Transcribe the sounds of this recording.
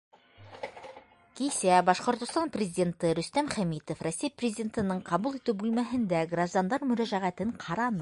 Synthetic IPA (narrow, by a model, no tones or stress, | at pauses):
kisæbɑʃqŏɾt̪ŏst̪ɑnprʲɪzʲɪdʲe̞nt̪ɤɾɵ̆st̪æmχæmit̪ofrosʲːijprʲɪzʲɪdʲent̪ɤ̆nɤɴqʰɑβulˠit̪ɘwbʉlmæɦɘ̆nd̪æɡraʒd̪ɑnd̪ɑɾmɵ̆ɾæʒæʁæt̪ɘɴqʰɑɾɑnɤ